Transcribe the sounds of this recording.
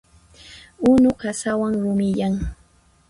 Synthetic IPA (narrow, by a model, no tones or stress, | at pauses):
ʊnʊkasawaŋɾʊmɪʎaŋ